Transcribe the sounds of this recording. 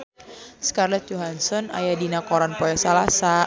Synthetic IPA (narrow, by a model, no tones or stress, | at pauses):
sə̥karlɛt̪̚d͡ʒoɦansɔna̰jadinakɔɾanpɔjɛsalasa